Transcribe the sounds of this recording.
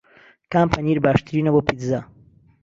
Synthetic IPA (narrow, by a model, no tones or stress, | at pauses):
kaːmpʰaniɾbaːʃt̪ɨɾiːnɐboːpit̪za